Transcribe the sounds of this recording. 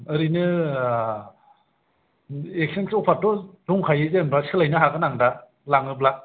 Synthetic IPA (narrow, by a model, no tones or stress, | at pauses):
ɯɾinɯ | ek̚sensowpʰatɔduŋkʰajɯzenbasi̥kʰɯlajnɯɦaɡɯnaŋda | laŋɯblak̚